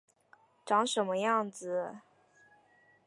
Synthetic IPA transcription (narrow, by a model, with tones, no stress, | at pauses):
ʈ͡ʂɑ˧˥ŋʂə˧˥nmə˧jɑ˥˩ŋd͡z̩˩